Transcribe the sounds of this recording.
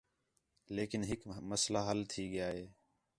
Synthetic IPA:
leːkɪnɦɪkməslaːɦəlt̪ʰiːɠɪjaːɦeː

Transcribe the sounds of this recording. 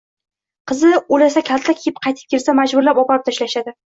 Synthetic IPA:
qʰɨzɪulasakʲʰalt̪ʰːakʲʰejɪp̚qʰɑjt̪ʰɪ̥p̚kʲeɾsamad͡ʒbʊɾlapɒpaɪp̚t̪ʰaʃlaʃad̪ɪ

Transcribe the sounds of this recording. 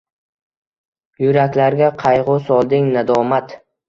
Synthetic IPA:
jʊɾakʲlaɾɡʲaqʰɑjʁʊsɒlˠd̪ɪŋnad̪ɒmat̪

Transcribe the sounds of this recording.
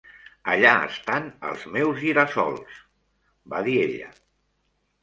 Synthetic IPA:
əʎaə̰st̪anə̰lˠzmewziɾasɔ̰lˠs | baðieʎə̰

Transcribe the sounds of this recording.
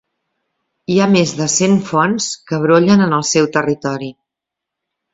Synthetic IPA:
iamezðəsenfɔnskəβ̞ɾoʎənənəlˠsɛwt̪ərit̪ɔɾi

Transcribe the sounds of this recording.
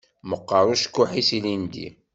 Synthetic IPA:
məqːəɾˤuʃkːʊħisilind̪ḭ

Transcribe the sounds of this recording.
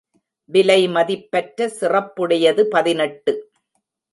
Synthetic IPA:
ʋɪlɐɪmɐðɪpːɐʈɾɐsɪrɐpːɯɽɐjɐðɯpɐðɪnɐʈːɯ

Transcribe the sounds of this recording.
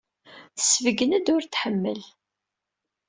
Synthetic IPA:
θəsvəɡənæd̪ʊɾt̪ħəmːə̰l

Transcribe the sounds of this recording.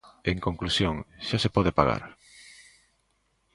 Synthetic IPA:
eŋkoŋklusjõŋʃasepɔðepaɣa̰ɾ

